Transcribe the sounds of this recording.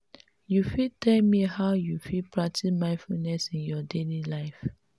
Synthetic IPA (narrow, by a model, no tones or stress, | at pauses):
jufitʰɛlmihaʊjufipʰɹak̚tʰimãɪ̃nfunɛsĩnjɔdelilaɪf